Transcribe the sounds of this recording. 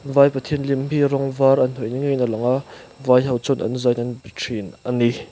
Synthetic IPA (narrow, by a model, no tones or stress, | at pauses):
vajpɐt̪ʰiənlimhiɾɔŋvaːɾʔɐn̥hɔjniŋɛjnalɐŋʔaʔ | vajɦɐwt͡sɔnʔɐ̰nzajnanbitʰinʔani